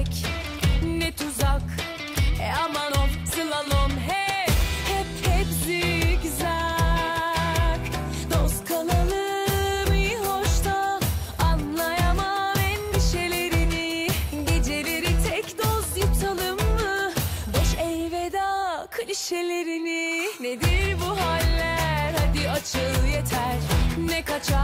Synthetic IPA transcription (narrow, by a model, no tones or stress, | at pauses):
c | nɛt̪ʰuzak | ɛ̰amanoft̪ʰɯlˠalˠomɦɛhɛphɛpzikza | k | d̪oskʰalˠalˠɯ | mɯjhoʃt̪ʰaː | nlˠajamamɛnd̪iʃe̞lʲe̞ɾiniɟed͡ʒe̞ɾeɾit̪ʰɛcd̪ozjɯp̚t̪ʰalˠɯmːɯboʃɛjved̪akʰɯliʃe̞lʲe̞ɾinined̪iɾbuɦalʲːæɾhad̪iat͡ʃʰɯlˠjet̪ʰæɾnɛkʰat͡ʃʰa